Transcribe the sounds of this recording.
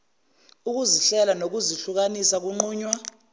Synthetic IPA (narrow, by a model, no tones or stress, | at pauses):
uk̬uziɬɛlanok̬uziɬuk̬anisak̬uŋ͡ǃuːɲwa